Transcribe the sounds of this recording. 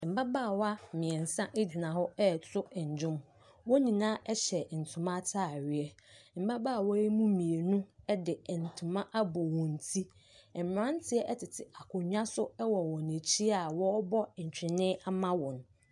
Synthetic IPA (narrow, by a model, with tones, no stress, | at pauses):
m̩˨ba˦baː˦˨wa˦˨mɪ̃˨ɛ˨n̩˨sã˦ʔe˦d͡ʑi˨nã˨hɔ˦ɛ˦˨tʰʊ˦ɛ˨ɲ̩˨d͡ʑᶣʊ̃˦m | wɔ˦nĩ˨nãː˦ʔɛ˦ɕɛ˨n̩˨tʰʊ̃˨mã˦tʰaː˦˨ɥɪ˨ɛ˦ | m̩˨ba˦baː˦˨wɔ˦i˦mũ˦mĩ˨e˨nʊ̃˦ɛ˦dɪ˨n̩˨tʰʊ̃˨mã˦ʔa˦bɔ˨wɔ̃˨n̩˨tʰi˦˨ | m̩˨m˨ɾã˦n˦tʰɪ˦ɛ˦ʔɛ˦tʰɪ˨tʰɪ˨a˨kʰʊ˨ɲᶣ˦ã˦sʊ˦ɛ˦wɔ˨wɔ˨nẽ˨t͡ɕʰi˦a˨wɔ˦bɔ˦˨ɲ̩˨t͡ɕᶣɪ̃˨nɪ̃˦a˦mã˦wɔ̃˨n˨